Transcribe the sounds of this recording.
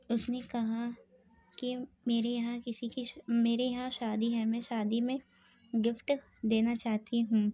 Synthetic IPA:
ʊsnekɐɦa | ki | meːɾejɐɦãkɪsikimeːɾejɐɦãʃaːd̪iɦɛmɛ̃ːʃaːd̪imẽ | ɡɪfʈ | d̪eːnat͡ʃaːɦt̪iɦũː

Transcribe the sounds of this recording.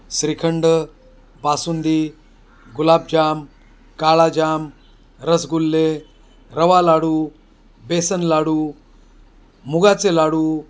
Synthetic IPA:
sɾikʰəɳɖə | basund̪i | ɡulab̚d͡ʑam | kaɭad͡ʑam | ɾəsɡulːe | ɾəʋalaɽuː | besənlaɽuː | muɡat͡selaɽuː

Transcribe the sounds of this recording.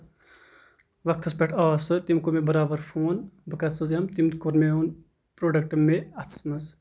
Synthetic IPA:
ʋɐk̚t̪ʰɐspʲeʈʰasɨt̪imkomebəɾaːbɐɾpʰoːnbɨkɐt̪sɐzjɐmt̪imt̪koɾmeun | pɾoːɖɐk̚ʈɨmːeɐt̪ʰsmɐz

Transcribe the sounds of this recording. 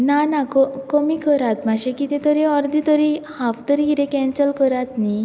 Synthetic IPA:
nanakɔkɔmikɔɾat̪maɕekit̪et̪ɔɾiɔɾd̪it̪ɔɾihaft̪əɾiiɾekɛ̃nsəlkɔɾat̪ni

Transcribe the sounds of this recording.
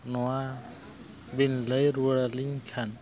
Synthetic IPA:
nɔwa | binləjɾuɾaliŋkʰan

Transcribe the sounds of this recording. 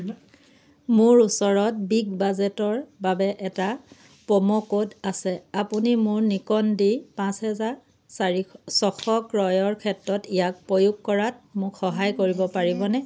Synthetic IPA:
mʊɹusɔɹɔt̚biɡbazɛtɔɹbabɛʔɛta | pɔmɔkodasɛapunimʊɹnikɔndipãshɛza | sɔxɔkɹɔjɔɹkʰɛtɹɔtijak̚pɹojuɡ̚kɔɹat̚mʊkxɔɦajkoɹibɔpaɹibɔnɛ

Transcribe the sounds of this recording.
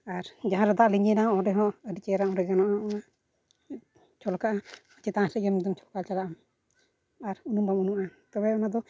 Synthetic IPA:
aɾd͡ʒaɦãɾɛd̪aʔliɲɛnaɔɔɖɛɦɔʔəɾit͡ʃɛɾaɔ̃ɾɛɡanɔʔaɔa | t͡ʃɔlkaʔaɔt͡ʃɛt̪aasɛɡɛmud̪ɔmt͡ʃɔlkalt͡ʃalaʔam | aɾunumbamunuʔnat̪ɔbɛɔnad̪ɔ

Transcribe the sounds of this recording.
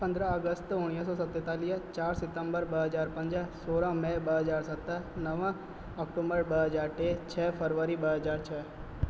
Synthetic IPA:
pə̃nd̪ɾəəɡəst̪ʊɽ̃ijəs̬ɔsət̪ːet̪alit͡ʃaːɾsɪt̪əmbəɾbəɦəd͡ʒaɾpə̃ɲd͡ʒasoɾãmɛ̃bəɦəd͡ʒaɾsət̪ːənəʋã | ɔkʈũmbəɭbəɦəd͡ʒaɾʈet͡ʃʰɛfʰəɾʋəɾibəɦəd͡ʒaɾt͡ʃʰɛ

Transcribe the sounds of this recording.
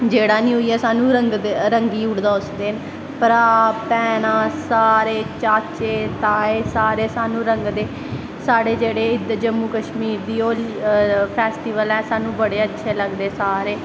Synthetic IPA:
d͡ʒeːɽaːnĩːɦʊiːɛːsaːnũːɾəŋɡd̪ɾəŋɡiːʊɽd̪aːʊsd̪eːn | pəɾaːpɛːnãːsaːɾeːt͡ʃaːt͡ʃeːt̪aːeːsaːɾeːsaːnũːɾəŋɡd̪eː | saːɽeːd͡ʒeːɽeːɪd̪d͡ʒəmːuːkəʃmiːɾd̪iːoːlpʰɛːsʈiːʋəlɛːsaːnũːbəɽeːətːʃʰeːləɡd̪eːsaːɾeː

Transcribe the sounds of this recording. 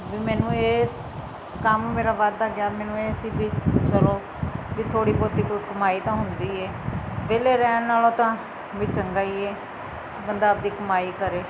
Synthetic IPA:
ʋiːmɛːnũːeːs | kammeːɾaːbaːd̪d̪aːɡjaːmɛːnũːeːsiːbiːt͡ʃəloː | ʋiːt̪ʰoːɽiːpoːd̪iːkkəmaːiːt̪ãːɦʊnd̪iːɛː | ʋeːleːɾɛːnnaːlõːt̪ãː | ʋiːt͡ʃəŋɡaːiːɛː | bənd̪aːəp̚d̪iːkəmaːiːkəɾeː

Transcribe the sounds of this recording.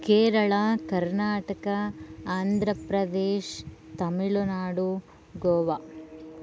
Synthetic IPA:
keːɾɐɭakɐɾnaːʈɐkɐaːnd̪ʱɾɐpɾɐd̪eːʃt̪ɐmiɭunaːɽu | ɡoːʋa

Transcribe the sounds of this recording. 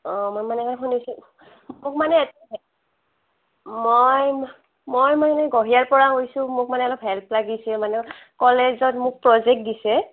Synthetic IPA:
ɔmojmanɛkanɛkʰunisɛ | mʊk̚manɛːtɛ | moj | mojmanɛɡoɦijaɹpɔɹaɦojsʊ̃mʊk̚manɛɔlɔpɦɛlplaɡisɛmanɛkɔlezɔtmʊk̚pɹɔzɛk̚t̚disɛ

